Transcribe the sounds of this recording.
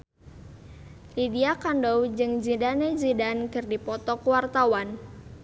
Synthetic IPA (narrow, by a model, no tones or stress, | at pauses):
lidiakandɔwd͡ʒɨŋd͡ʒidaned͡ʒidankɨrdipɔt̪ɔkuwart̪awan